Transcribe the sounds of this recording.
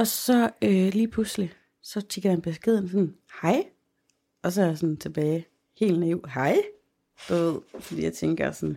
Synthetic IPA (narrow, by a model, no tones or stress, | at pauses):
ɒ̽sɒ̽øliːpʰlusli | sɒ̽t͡sʰiɡ̥ɐdænb̥e̝sɡ̥e̝ðˠn̩sɒ̽nhɑ̈ɪ̰ | ɒ̽s̬ɒæɐjasɔ̽nt͡sʰe̝b̥ɛːɪ | he̝̰ːlneʊhɑɪ̰ | d̥uʋe̝ð̞̰ˠfɒd̥ḭːjäɪt͡sʰeŋɡ̥ɐsɒn